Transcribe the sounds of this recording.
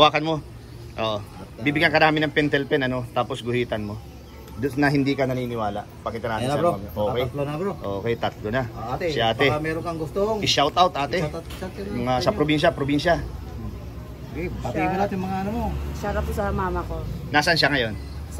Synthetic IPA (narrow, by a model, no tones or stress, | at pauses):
waːkɐnmo̞ | ʔo̰ːʔobiːbɪɡjɐnkɐnaːmɪnːɐŋpɛnt̪ɛlpɛnɐno̞t̪aːposɡʊhiːt̪ɐnmo̞ | d̪ʊsnɐɦɪnd̪iːkɐnɐniːnɪwaːlɐʔpɐkiːt̪ɐnaːtɪɾoʔoːkɛjbɾoʔokɛjt̪ɐt̪lonɐat̪ʃʔaːt̪ɛmɛɾoŋkɐŋɡʊst̪oŋɪʃawt̪ʔawt̪ʔaːt̪ɛatmɐŋasɐpɾobinʃ̬ɐpɾobinʃɐ | ɡeaɐnat̪jmɐŋaɐnomosaɾapːosɐmaːmɐkonaːsɐnʃaŋɐjo̞n